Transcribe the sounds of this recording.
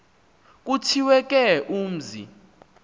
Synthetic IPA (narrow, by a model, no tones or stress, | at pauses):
k̬ʼutʰiwɛk̬ʼɛʔuːm̩zḭ